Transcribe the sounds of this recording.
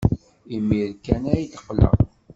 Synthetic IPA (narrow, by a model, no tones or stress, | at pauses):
imːiɾkːænæjθə̥qːlə̰ʁ